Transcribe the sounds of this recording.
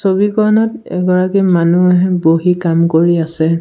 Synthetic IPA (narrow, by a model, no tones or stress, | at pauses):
sobikɔɹnɔtɛ̰ɡɔɹakimanuɦɛboɦikamkoɹiasɛ